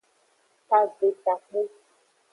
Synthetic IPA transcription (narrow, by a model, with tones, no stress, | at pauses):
ka˨ɡ͡be˨ta˨k͡pe˦